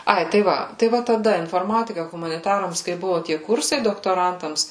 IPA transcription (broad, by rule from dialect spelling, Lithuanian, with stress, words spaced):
ˈɐɪ tɐɪ ˈʋɐ tɐɪ ˈʋɐ tɐˈdɐ ɪnfoːrˈmɑːtʲɪkɐ ɣʊmɐnʲɪˈtɑːrɐms kɐɪ ˈbʊʋoː tʲiɛ ˈkʊrsɐɪ doːktoːˈrɐntɐms